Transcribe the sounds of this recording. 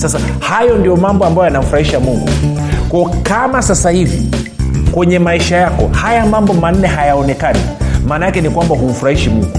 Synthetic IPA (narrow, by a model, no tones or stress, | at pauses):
sasa | hajɔndijɔmambɔambajjanam̩fuɾahiʃamuŋɡṵ | kwɔɔkamasasahivḭ | kwɛɲɛmaiʃajakɔhajamambɔman̩ːɛɦajaɔnɛkanḭmaːnaakɛnikwambaɦum̩fuɾahiʃimṵŋɡu